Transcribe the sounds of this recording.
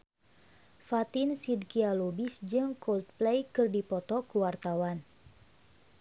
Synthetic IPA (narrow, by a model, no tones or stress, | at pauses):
fat̪insid̚kialubisd͡ʒɨŋkɔld̪̚plejkɨrdipɔt̪ɔkuwart̪awan